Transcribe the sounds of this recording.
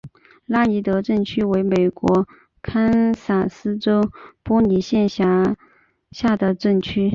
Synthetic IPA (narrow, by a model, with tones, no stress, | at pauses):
la˥i˧˥t̪ɤ˧˥ʈ͡ʂə˥˩ŋt͡ɕʰy˥we˧˥ɪme˨˩ɪkwɔ˧˥ | kʰa˥nsa˨˩sɹ̩˥ʈ͡ʂo˥ʊpɔ˥ni˨˥ɕjɛ˥˩nɕja˧˥ | ɕja˥˩d̪ə˩ʈ͡ʂə˥˩ŋt͡ɕʰy˥